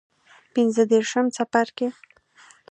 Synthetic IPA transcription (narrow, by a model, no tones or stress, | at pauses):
pinzəd̪eɾʃəmt͡sapaɾke